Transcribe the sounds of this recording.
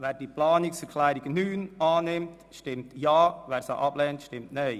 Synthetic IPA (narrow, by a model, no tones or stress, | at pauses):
ʋɛːɾdiːplɑːnɪksəɾkʰlæjɾɪɡənyːnɑːnɪmt | ʃtɪmtjɑːʋɛːɾsa̰ʔɑblɛːntʃtɪmtnej